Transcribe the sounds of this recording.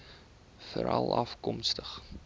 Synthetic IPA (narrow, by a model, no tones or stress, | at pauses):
fəɾʔɐlˠɐfkɔmstəχ